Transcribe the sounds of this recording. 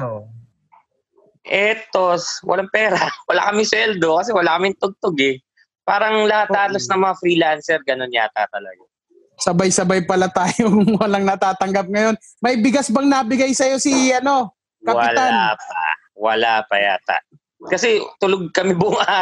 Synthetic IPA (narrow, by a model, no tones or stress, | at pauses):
o | ʔɛt̪oswɐ̰laŋpɛːɾawɐla̰ːkɐmɪswɛld̪okɐs̬ɛwɐlaːkɐmɪŋt̪oɡ̚t̪oɡɛ | paːɾɐŋlɐhat̪ːaːt̪lɐsnɐŋmɐŋafɾiːlansɛɾɡɐno̞nɲat̪at̪ɐlɐɡa | sɐbajsɐbajpɐlat̪aːjowɐlaŋnɐt̪aːt̪ɐŋɡɐp̚ŋɐjo̞n | mɐibɪɡasbɐŋnɐbɪɡajsɐjo̞siɐno̞ | kɐwɪlanapa̰ | wɐ̰lapɐ̰ja̰ːt̪a̰ | kɐsɛt̪ʊloɡ̚kɐmɛbʊŋa